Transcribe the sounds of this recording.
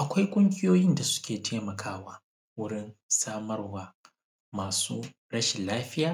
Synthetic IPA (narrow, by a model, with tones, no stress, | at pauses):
ʔa˨kʷa˦jkʷʼʊ˦ŋɡʲɪ˦joː˦jɪ˦nda˨sʊ̥˦kʲeː˨tʰeː˦mɐ˨kʰaː˦waː˦ | wʊ˦ɽɪ˦nsaː˦mɐ˦rwaː˦ | maː˨suː˦ | ɽɐ˦ʃɪ˨nlaː˦ɸɪ˦jaː˨